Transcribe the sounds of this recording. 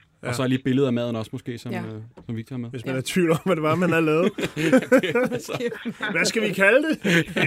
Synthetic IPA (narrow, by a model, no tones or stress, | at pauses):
ɒsɒliːb̥e̝ləð̞̩ˠæmɛð̰ˠn̩ɒ̽smɔsɡ̥e̝̰ːsɒ̽msɒ̽mʋi̥t͡sʰɑmeðʋe̝smænɑt͡sʰʋiʊlɒ̽m̰æd̥e̝ʋɑ̈mænæɐlɛːð̩ˠ | ʋæsɡ̥æʋikʰæləd̥e̝